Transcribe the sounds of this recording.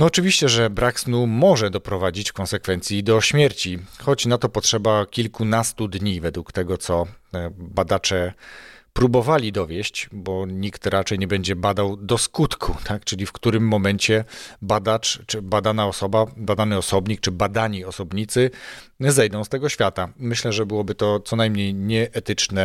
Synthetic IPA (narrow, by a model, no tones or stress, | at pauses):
nɔːt͡ʂɨvʲiɕt͡ɕɛʐɛbɾaksnumɔʐɛd̪ɔpɾɔvad͡ʑit͡ɕkɔ̃nsɛkfɛnt̪sʲjid̪ɔɕmʲjɛɾt͡ɕixɔt͡ɕnat̪ɔpɔtʂɛbakʲilkunast̪ud̪ɲivɛd̪wukt̪ɛɡɔt̪sɔ | bad̪at͡ʂɛ | pɾubɔvalʲid̪ɔvʲjɛɕt͡ɕbɔɲikt̪ɾat͡ʂɛjɲɛbɛɲd͡ʑɛbad̪awd̪ɔskut̪kʰut̪ʰakt͡ʂɘlʲifkt̪uɾɘmːɔmɛɲt͡ɕɛbad̪at͡ʂbad̪anaɔsɔbabad̪anɘɔsɔbɲik̚t͡ʂɘbad̪aɲiɔsɔbɲit̪sɘzɛjd̪ɔ̃w̃st̪ɛɡɔɕfʲjat̪amɘɕlɛʐɛbɘwɔbɘt̪ɔt̪sɔnajmɲejɲɛʔɛt̪ɘt͡ʂnɛ